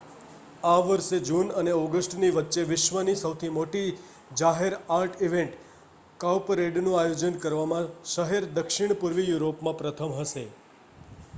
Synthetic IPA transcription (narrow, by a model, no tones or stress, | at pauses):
aʋəɾʃed͡ʒunəneɔɡəsʈniʋətːʃeʋɪʃʋənisəʋt̪ʰimoʈi | d͡ʒaɦeɾaɾʈʰiʋẽɳʈ | kaʋpɾeɖnũajod͡ʒənkəɾʋamãʃəɦeɾd̪əkʃɪɳ̃puɾʋijuɾopmãpɾət̪ʰəmɦəʃe